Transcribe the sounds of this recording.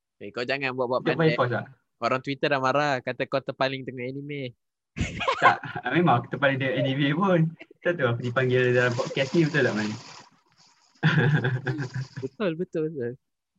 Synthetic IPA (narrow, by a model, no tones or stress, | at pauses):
ekad͡ʒaŋanbuaʔbuaʔb̪apaikɔs̬laʔ | oɾaŋt̪wit̪ədlamaɾakat̪əkot̪əpalɪŋt̪əŋɔʔɛnime | t̪a̰ʔmemãŋku̥t̪əpalɪŋd̪əŋʔɛnimepʊnt̪at̪uakudipaŋɡɪldalampɔt̪̚kɛsnibət̪ʊlaʔmani | bət̪ʊlbət̪ʊlbət̪ʊl